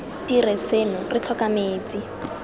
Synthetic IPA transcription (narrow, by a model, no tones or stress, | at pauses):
tiresenʊrɪt͡ɬʰɔkameːt͡si